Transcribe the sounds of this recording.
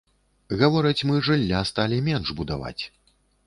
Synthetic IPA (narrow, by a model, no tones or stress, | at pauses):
ɣavɔɾɐt͡sʲmɨʐɨlʲːast̪alʲimʲɛnʐbud̪a̰va̰t͡sʲ